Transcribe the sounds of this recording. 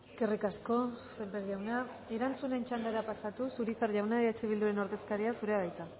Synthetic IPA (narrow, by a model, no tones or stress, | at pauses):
eske̞rikasko̞sempeɾʝawna | e̞ɾant͡sune̞nt͡ʃand̪aɾapasat̪usuɾit͡saɾʝawnaeet͡ʃeβild̪uɾe̞no̞ɾðe̞skaɾiasuɾe̞aðajt̪a